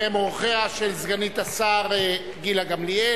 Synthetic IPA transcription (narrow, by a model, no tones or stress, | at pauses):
emʁoχeaʃelzɡanit̪asaʁe | ɡilaɡamlie